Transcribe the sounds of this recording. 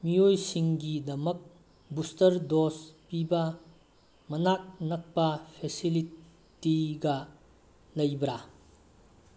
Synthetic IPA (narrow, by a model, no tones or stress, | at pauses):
miojsiŋɡidɐmɐk̚ | bustɐɾdospibɐ | mɐnak̚nɐk̚pɐpʰesili | tiɡɐ | lɐjbɾa